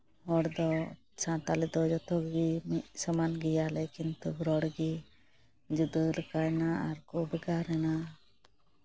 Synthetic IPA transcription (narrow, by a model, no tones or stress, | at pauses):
ɦɔɽd̪ɔ | t͡ʃãt̪alid̪ɔd͡ʒɔt̪ɔɡɡimsəmanɡijalɛkint̪uɡɾɔɽɡi | d͡ʒud̪əlkajnaa̰ɾkubəɡaɾɛna